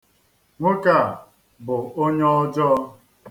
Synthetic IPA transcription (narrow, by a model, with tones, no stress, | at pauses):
ŋʷʊ˦ka˨ | bʊ˨o˦ɲɔ˦ɔ˦d͡ʒɔ˦